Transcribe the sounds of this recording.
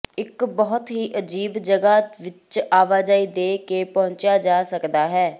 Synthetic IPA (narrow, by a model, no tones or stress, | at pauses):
ɪkbəɦʊt̪ɦiːʔəd͡ʒiːbd͡ʒəɡaːʋɪt͡ʃaːʋaːd͡ʒaːiːd̪eːkeːpɔɦʊ̃ɲt͡ʃjaːd͡ʒaːsəkd̪aːɦɛː